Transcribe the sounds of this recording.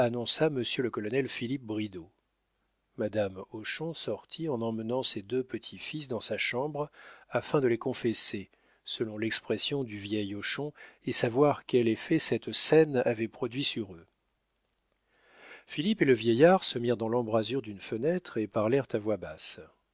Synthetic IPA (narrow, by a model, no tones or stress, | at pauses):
anɔ̃saməsjøləkɔlɔnɛlfilip̚bʁid̪o | mad̪amɔʃɔ̃sɔʁt̪ʰiɑ̃nɑ̃mənɑ̃sed̪øpət̪ʰifis̬d̪ɑ̃saʃɑ̃bʁafɛ̃d̪əlekɔ̃fɛse | səlɔ̃lɛkspχɛsjɔ̃d̪yvjɛjɔʃɔ̃esavwaʁkɛlefɛsɛt̪sɛnavɛpχɔd̪ɥisyʁø | filipeləvjɛjaʁsəmiʁd̪ɑ̃lɑ̃bʁazyʁd̪ynfənɛt̪χepaʁlɛʁt̪avwabas